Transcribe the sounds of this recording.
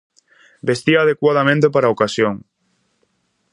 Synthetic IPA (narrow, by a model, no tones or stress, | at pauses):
best̪iaːð̞ekwaðamẽnt̪epaɾaokasjoŋ